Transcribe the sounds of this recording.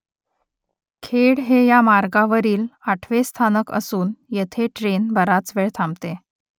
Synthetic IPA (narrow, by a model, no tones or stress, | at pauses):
kʰeɽɦejamaɾɡaʋəɾiːlaʈʰʋest̪ʰanəkə̰suːnjet̪ʰeʈɾenbʱəɾat͡sʋeɭt̪ʰãmt̪e